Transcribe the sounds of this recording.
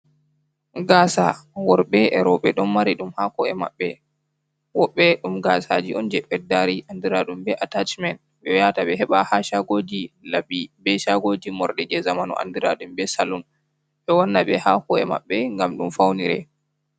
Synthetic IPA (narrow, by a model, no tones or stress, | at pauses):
ɡaːsawɔɾɓɛɛɾɔɓɛɗɔnmaɾiɗumhakɔɛma̰ɓːɛ | wɔɓːɛɗumɡasad͡ʒiɔnd͡ʒɛɓɛdːaɾiʔandiɾaɗumbɛʔatat͡ʃmɛn | ɓɛjataɓɛɦɛɓahaʃaɡod͡ʒilabibɛʃaɡod͡ʒimɔɾɗɛd͡ʒɛzamanɔ̰ʔa̰ndiɾaɗumbɛsalun | ɓɛwɔnːaɓɛhakɔɛma̰ɓːɛŋɡamɗumfawniɾɛ̰